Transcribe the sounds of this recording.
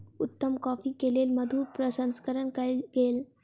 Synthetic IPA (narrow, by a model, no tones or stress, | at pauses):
ʊt̪ːəmkɔːfikeːleːlməd̪ʱuːɾpɾəsə̃nskəɾənkəɡeːl